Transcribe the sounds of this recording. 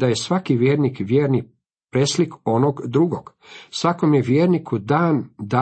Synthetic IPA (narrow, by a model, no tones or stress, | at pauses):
d̪aje̞sʋakiʋje̞ːɾnikʋjeːɾni | pɾesliko̞noɡd̪ɾuɡoɡ̥ | sʋakomjeʋjeːɾnikud̪aːnd̪a